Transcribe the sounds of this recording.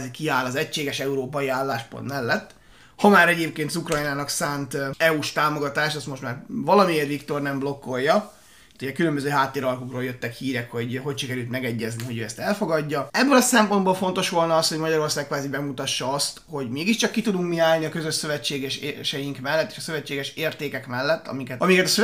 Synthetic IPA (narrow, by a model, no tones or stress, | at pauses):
zɛkiaːlɒzɛct͡ʃːeːɡɛʃɛuɾoːpɒjiaːlːaːʃpo̰nt̪mɛlːɛt̪ː | hɒmaːɾɛɟeːp̚keːnt̪sukrɒjinaːnɒksaːnt̪ɛuʃt̪aːmo̞ɡɒt̪aːʃɛst̪mo̞ʃt̪maːrvɒlɒmieːrʋikt̪o̞rnɛmblo̞kːo̞jːɒ | t̪ʰːuɟɛkylømbøzøːɦaːt̪ːeːɾɒlkukroːljøt̪ːɛkhiːɾɛkho̞ɟɦo̞cʃikɛɾylt̪mɛɡɛɟːɛzniɦo̞ɟøːɛst̪ɛlfo̞ɡɒɟːɒɛbːølɒsɛmpo̞nd̪bolfo̞nt̪o̞ʃʋo̞lnɒɒst̪hoɟmɒɟɒɾo̞rsaːkkːʋaːzibɛmut̪ɒʃːɒɒst̪ho̞ɟmeːɡiʃt͡ʃɒkːit̪ud̪uŋkmiaːlniɒkøzøʃsø̞vɛt͡ʃːeːɡɛʃeʃɛjiŋkmɛlːɛt̪ːe̥ːʃɒsøvɛt͡ʃːeːɡɛʃeːrt̪eːkɛkmɛlːɛt̪ːɒ̰mikɛt̪ɒmikɛt̪ɒsø